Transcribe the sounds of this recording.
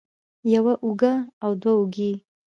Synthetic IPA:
jawaʔuɡaawd̪wauɡi

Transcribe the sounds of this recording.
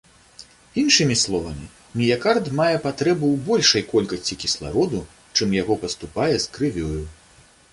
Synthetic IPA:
inʂɨmʲislˠɔvɐmʲi | mʲijakart̪majɛpat̪ɾɛbɨwbɔlʲʂɐjkɔlʲkɐsʲt͡sʲikʲislˠa̰ɾɔd̪u | t͡ʂɨmjaɣɔpɐst̪upajɛskɾɨvʲɔju

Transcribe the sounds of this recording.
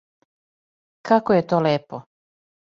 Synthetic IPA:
kʰakojet̪oːleːpo

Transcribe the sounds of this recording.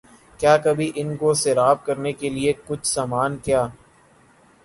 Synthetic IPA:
kjaːkɐbʱiʔɪnkoseɾaːb̚kɐɾnekeliekʊt͡ʃʰsaːmaːnkjaː

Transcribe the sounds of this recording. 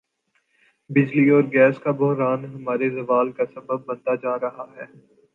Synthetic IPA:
bɪd͡ʒliɔːɾɡɛːskabɔɦɾaːnɦɐmaːɾezɐʋaːlkasɐbəb̚ːɐ̃nt̪ad͡ʒaːɾɐɦaɦɛː

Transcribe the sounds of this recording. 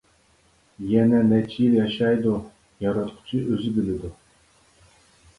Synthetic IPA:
jɛnɛnɛt͡ʃʰijiljɑʃɑjd̪u | jɑɾɑt̪qʰʊ̥t͡ʃʰiʔøzɪbilɪd̪u

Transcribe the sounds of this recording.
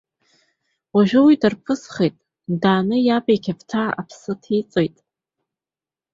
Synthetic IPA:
waʒᶣʊwidarpʰɨsχejtʼ | daːnɨjabajkʲʰaptʰaa̰pʰsɨtʰit͡sʼojtʼ

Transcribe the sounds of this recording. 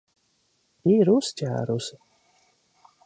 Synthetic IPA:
iɾuscʲæ̰ːɾusɪ

